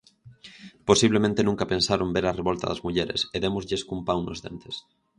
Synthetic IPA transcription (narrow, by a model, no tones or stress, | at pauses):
posiβlemẽnt̪enũŋkapensaɾombeɾareβolt̪a̰ðazmuʎeɾeseðemozʎeskumpawnozðḛnt̪es